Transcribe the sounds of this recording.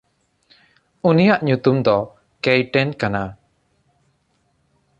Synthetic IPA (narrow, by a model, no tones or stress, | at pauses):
unijaʔɲut̪umd̪ɔ | kɛjʈɛnkana